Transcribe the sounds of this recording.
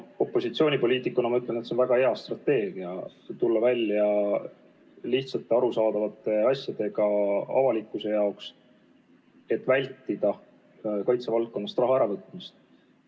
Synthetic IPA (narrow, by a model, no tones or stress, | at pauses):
o̞pːo̞sit̪sio̞ːnʲipo̞lʲiːt̪ːˑikːˑunɑmɑyt̪lenet̪senvæɡ̥ɑe̞ɑst̪rɑt̪ːe̞ːɡ̥iɑ | t̪ulːɑvælʲːjɑ | liçt̪sɑt̪ːˑeɑɾusɑːd̪̥ɑvɑt̪ːˑe̞ɑsjɑd̪̥e̞ɡ̥ɑɑ̰vɑlikˑːuse̞jɑoks | e̞t̪ːˑvælʲt̪ːid̪̥ɑ | kɑjt̪sevɑlt̪̚ko̞nːɑst̪rɑɦɑeɾɑvɤt̪ːˑmist̪̚